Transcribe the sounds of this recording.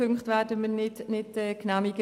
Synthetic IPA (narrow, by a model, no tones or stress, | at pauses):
øŋkχtʋæːdəmənɪdnɪtɛknamiɡə